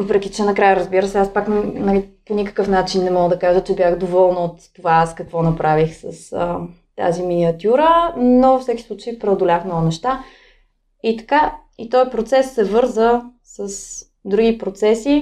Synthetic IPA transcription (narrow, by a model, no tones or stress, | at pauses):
vəpɾɛk̟it͡ʃɛnɐkɾajəɾəzbiɾəsɛaspaknnɐliponʲikə̥kɤfnat͡ʃinːɛmɔɡəd̪ɐkaʒət͡ʃɛbjaxd̪ovɔlˠnot̪ːovaaskɐkvɔnɐpɾavixsəsə | t̪a̰ziminʲiɐt̪ʲjuɾənofsɛki̥sˠut͡ʃəipɾɛod̪olʲaxmnɔɡʊnɛʃt̪a | it̪ɐ̥ka | it̪ɔjpɾot̪sɛsːɛvɤɾzə | səs | d̪ɾuɡ̟ipɾot̪sɛsi